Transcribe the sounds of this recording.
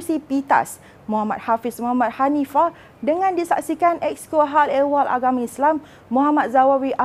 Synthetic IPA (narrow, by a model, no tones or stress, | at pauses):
sipit̪a̰s | mũɦamat̪̚hafismɔɦamãt̪̚hanifa | dəŋãndisa̰ksikanʔɛk̚skuɦalɛwalʔa̰ɡamãislamː | ũɦamat̪̚zawawiʔa